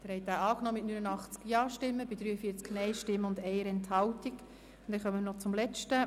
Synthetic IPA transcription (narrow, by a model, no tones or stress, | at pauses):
d̥ɪɾhɛjt̪æːɑːknɔːmɪtnynənɑχt͡skjɑːʃtɪmːəbɪd̪ɾyːəfiəɾt͡sknɛɪʃtɪmːəʊndɛɪəɾɛnthɑwtiɡ | nd̥ɛnχœmːənɔt͡sʊmlɛt͡ʃtə